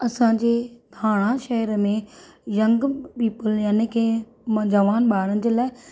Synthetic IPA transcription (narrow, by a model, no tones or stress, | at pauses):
ɐsãːɲd͡ʑeːd̪ʱaːɽ̃ãʃɐɦəɾəmẽjɐ̃ŋɡpiːpəljaːnekʰeː | mɐ̃d͡ʑəʋaːnɓaːɽənɪ̆d͡ʑeːlaːɪ